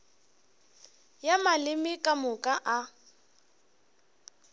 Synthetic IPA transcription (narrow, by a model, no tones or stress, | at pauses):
jamalɪmɪkʼamʊkʼaʔa